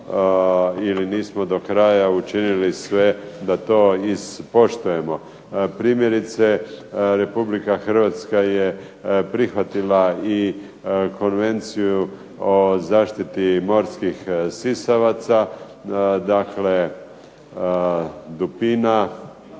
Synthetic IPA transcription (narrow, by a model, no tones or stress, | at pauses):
iliniːsmo̞d̪o̞kɾajaut͡ʃinilisʋe̞d̪at̪o̞ːizpo̞ʃt̪uje̞mo̞ | pɾiːmje̞ɾit̪se̞ɾe̞publikaxr̩ʋat̪skaje̞ | pɾixʋat̪ilai | ko̞nʋe̞nt̪siju | ozaːʃt̪it̪imo̞ɾskixsisaʋat̪sa | d̪akle̞ | d̪upina